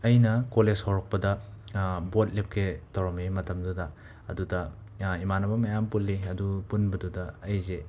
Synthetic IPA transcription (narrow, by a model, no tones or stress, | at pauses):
ɐjnɐkolezhowɾɐk̚pɐdɐ | bot̚lip̚kʰetɐwɾɐmemɐtɐmdudɐ | ɐ̰dudɐ | imanɐbɐmɐjampulːiɐdupunbɐdudɐːjze